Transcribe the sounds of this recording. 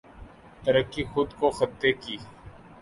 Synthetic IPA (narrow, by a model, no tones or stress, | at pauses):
t̪əɾəkːiːxʊd̪koxət̪ːeːkiː